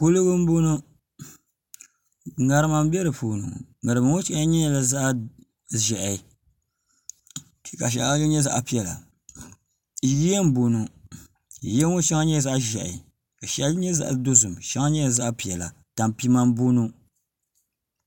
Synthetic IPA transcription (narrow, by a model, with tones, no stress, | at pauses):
ko˦lo˦ɡɨ˦m̩˦bo˦nu˦ | ŋa˨ɾɨ˦ma˦m˦bɛ˦ɾɨ˨po˨nṵ˨mɨ˨ɾɨ˨bɨ˨ŋo˦t͡ʃi˦ʔɲɛ˦˨la˨za˦ʔa˦ | ʒɛ˨ʔɛ˨ | ka˨ʃ̬ɛ̰˨˦ɲɛ˦za̰˦ʔpi˨˦ɛ˨la̰˨˦ | ɡi˦jɛ˦m̩˦bo˨nu˨ | jɛ˦ŋo˦ʃa˦ŋa˦ɲɛ˦˨za˦ʔʒɛ̰˨ | ka˨ʃɛ˦lɲɛ˦za̰˦ʔdo˦zɨ˨mʃa˦ŋa˦ɲɛ˦˨za˦ʔpi˨ɛ˨la̰˨ | ta˨m˨pi˦ma˦m˦bo˦nu˦